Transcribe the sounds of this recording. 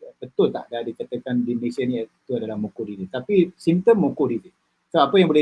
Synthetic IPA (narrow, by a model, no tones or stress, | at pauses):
bət̪ʊlt̪a̰ʔdadikət̪əkandiməlesianit̪uadalahmokodidit̪apisimt̪əmːõkodidɪ | saapajaŋbolɛ